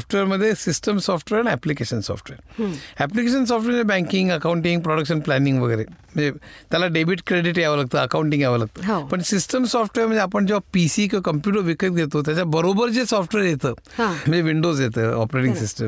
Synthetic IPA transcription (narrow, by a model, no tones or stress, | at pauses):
ɔfʈʋeɾməd̪ʱːjesisʈəmsɔfʈʋeɾaniɛplikeɕənsɔ̰fʈʋeɾæplik̬eɕ̬əns̬ɔfʈʋeɾməebɛ̃ŋkiŋɡəkauɳʈĩŋɡ̚pɾɔɽəkɕənplɛniŋɡʋəɡəɾem̤əɳnd͡zet̪jalaɖebiʈkɾeɖiʈɡaʋəlaɡ̚t̪əːəkauɳʈĩŋɡjaʋəlaɡ̚t̪əːpəɳsisʈəmsɔfʈʋeɾməɳd͡zeapəɳt͡ɕɔpisiːk̬iʋakəmpjuʈ̬əɾʋikət̪̚ɡʱet̪ot̪̬jat͡ɕabəɾobəɾt͡sesɔfʈʋeɾjet̪əːɦãm̤əɳd͡zeʋiɳɖozjet̪əːɔ̰pɾeʈiŋsisʈəm